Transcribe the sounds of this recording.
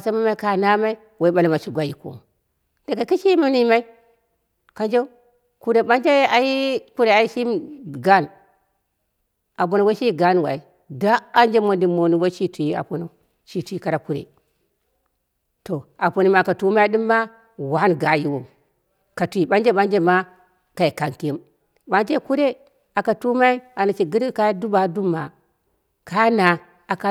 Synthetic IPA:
a˨sa˦ma˦ma˦i˦ka˨na˦ma˦i˦ | wo˨˦ɓa˨lma˨t͡ʃu˦ɡʷa˨ji˨ko̰˨ | de˨ɡa˨ka˦ʃi˦ma˦ni˦ma˦i˦ | ka˨nd͡ʒe˦ | ku˦ɾe˨ɓa˦nd͡ʒa˦a˨ji˦ku˦ɾe˨a˨i˦ʃi˦mɡa˦˨n | a˨bo˨no˨wo˦ʃi˦ɡa˦n˨wa̰˨i˨ | da˦a˦nd͡ʒe˦mo˨di˨mo˨ni˨wo˦t͡ʃi˦tu˨ji˦a̰˨po˨no˦ | t͡ʃi˨tu˨i˦ka˦ɾa˨ku˦ɾḛ˨ | to˨a˨po˨ni˨ma˨ka˨tu˦ma˦i˦ɗi˦mːa˦ | wa˦n˨ɡa˨ji˦wo˨ | ka˨tu˨i˨ɓa˦nd͡ʒe˦ɓa˦nd͡ʒe˦ma˦ | ka˨i˨ka˨ŋki˦i˦m | ɓa˦nd͡ʒe˦ku˦ɾe˦ | a˨ka˨tu˦ma˦i˦a˨na˨t͡ʃi˨ɡi˦ɾka˦ja˦du˦ba˨du˦mːa˨ | ka˨ja˦na˨ | a˨ka˦

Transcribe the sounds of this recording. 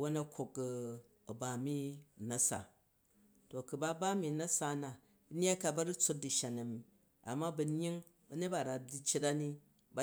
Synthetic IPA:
wo˦nɐ˦kʷʰo˨k | ɐ˨ba˨mi˦˨nɐ˦sa̰˨ | to˨ku˨ba˦ba˦mi˨nɐ˦sa˨˦na˨ | bn˦a˦ka˨bɐ˦ɾi˦t͡so˦t̚di˨ʃa˨na˨mi˨ | a̰˨mːa˦bɐ˨ɲ˦i˦ŋ | bɐ˦ne˦t̚ba˨ɾa˨di˦t͡ʃe˦ta˦ni˦ | ba˦

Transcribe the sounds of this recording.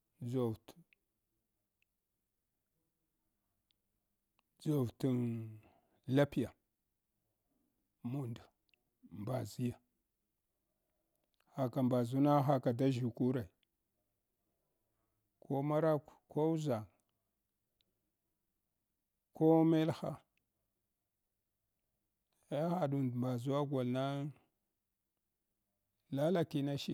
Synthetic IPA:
d͡ʒo˨vt | d͡zo˨vtu˨n | la˦pi˦ja˨ | mu˨nda˨ | mba˨zi˦ja˨ | ha˨ka˨mba˨zu˦na˦ɦa˦ka˨da˦ʒi˨ku˦ɾa˨i˨ | kʰo˦ma˦ɾa˦kko˦u˦za˨ŋ | ko˦me˦lxa̰˦ | e˦xa˨ɗu˨ndmba˨zu˦wa˦ɡʷa˨lna˦ | la˦la˨ki˦na˦ʃi˦

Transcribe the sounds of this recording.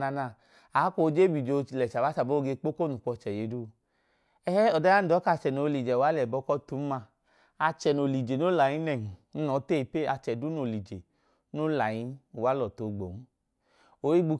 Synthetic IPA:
na˧na˧˨ | a˨˦ko˧˦˧d͡ʒe˦bi˨d͡ʒo˧˨lɛ˨t͡ʃa˨ba˨˦t͡ʃa˨bo˦o˧ɡe˧k͡po˦ko˦nu˨k͡pɔ˧t͡ʃɛ˨je˨˦du˦˧ | ɛ˦hɛ˦ɔ˨da˦a˦n̩˦˨ɔ˨˦ka˧˨t͡ʃɛ˨no˨˧li˨d͡ʒɛ˨wa˨˦lɛ˨bɔ˧˦kɔ˦tu˨˦ma˧ | a˧t͡ʃɛ˨no˨li˨d͡ʒe˨no˦la˨ji˦nɛ˨ŋ̩˨˦nɔ˨˦te˦˨i˨pe˦˨a˧t͡ʃɛ˨du˨˦no˨li˨d͡ʒe˨ | no˦la˨ji˦u˨wa˨˦lɔ˨to˨ɡ͡bo˨ŋ̩˦ | o˨˦i˦ɡ͡bu˧

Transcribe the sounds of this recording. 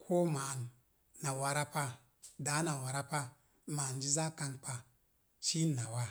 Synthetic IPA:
kʰo˦ma˨nː | a˨wa˨ɾa˦pa˧ | da˨˦na˨wa˨ɾa˦pa˦ | ma˨nd͡ʒi˦za˦ka˧nk͡pa˨ | ʃi˦nːa˨wa˦

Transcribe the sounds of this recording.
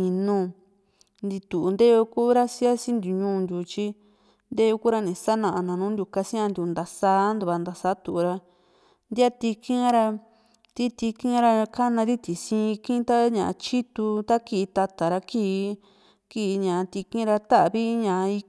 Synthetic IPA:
ĩ˧nũ˧ | nd̪i˧t̪u˨ʔu˧nd̪e˦jo˧kuː˦ɾa˦si˦a˦si˦nd̪u˨ɲũː˦˧nd̪ʲu˧t͡ʃi˦ | nd̪e˦jo˧ku˦ɾa˦˧nĩ˨sa˦nã˨ʔa˧nã˨˧nũː˦nd̪ʲu˧ka˧si˦ã˧nd̪u˨˧nd̪a˨saː˧˦nd̪u˧βa˧nd̪a˨sa˧˦t̪u˨ʔu˨ɾa˧ | nd̪ʲa˦t̪i˧kĩ˦ɾa˧ | t̪i˦t̪i˧kĩ˦ɾa˧ka˦nã˧ði˦t̪i˨sĩː˧kĩ˦t̪a˦ɲã̰˨ʔa˧t͡ʃi˦t̪u˧t̪a˦ki˧t̪a˧t̪a˨ɾa˧kiː˦˧˦ | ki˦˧ɲã˨˧t̪i˧kĩ˦ɾa˧t̪a˦ʔβi˦ɲã˨˧i˧

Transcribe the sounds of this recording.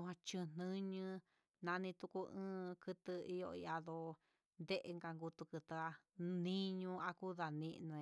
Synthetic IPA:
ɦã˧t͡ʃɨ̃˧n̥nɨ̃˦ɲɨ̃˧ | nã˧nĩ˧t̪u˧ku˧ɨ̃ː˦kɨ˧t̪ɨ˧i˦jo̰˧ḭ˧a˧ðo˧ | nd̪e˦ʔe˧ŋɡa˧ŋɡu˧t̪u˧kɨ˧t̪ɨ˧a˧nĩ˦ɲũ˦˧a˧ku˦ða˨nĩ˦˧ʔnũ˧

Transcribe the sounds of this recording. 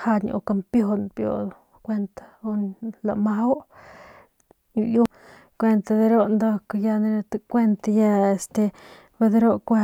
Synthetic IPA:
ha˧ɲo̰˧ka˧mpjo˧d̪npjo̰˨˧d̪o˧ | kʷe˧nt̪ḁo˦nla̰˨ma˦w | ju˦ | kʷe˧nt̪a˧d̪e˧˦ɾo˦nd̪o˧kja˧ne˧ɾt̪a˧kʷe˦nt̪a˧ja˧e˧st̪e˧ | be˧d̪e˧˦ɾo˦ʔkʷa˦

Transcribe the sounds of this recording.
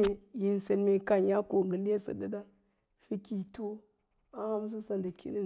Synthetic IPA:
e˨ji˨n˨se˨nme˨ka˨nja˦ko˨ŋɡə˨nde˦sə̰˨da˦da˦ | fi˦ki˨tu˦ | a˦ha˦m˦s̬ə˦sa˨nda˨kʲḭ˦ni˦

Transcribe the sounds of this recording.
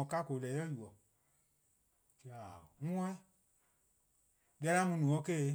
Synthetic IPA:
ɔ̃˨ka˦ko˨lɛ˨˦ɛ˦ju˨ɔ˨ | t͡ʃi˧a˨ŋũ˦ã˦ | dɛ˧˦la˦mũ˧nũ˨ɔ̃˨˦ke˦˨˧

